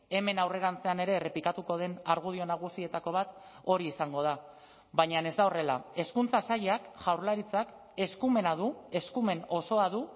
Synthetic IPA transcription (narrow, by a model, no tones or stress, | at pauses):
e̞me̞nawre̞ɾant͡se̞ane̞ɾe̞re̞plikat̪uko̞ð̞e̞naɾɣ̞uð̞io̞naɣ̞usie̞t̪ako̞β̞at̪o̞ɾiːsaŋɡo̞ð̞a | βaɲane̞zd̪aore̞la̰e̞skunt͡sasaʎeakʝawɾlaɾit͡sak | e̞skume̞naðue̞skume̞no̞so̞aðu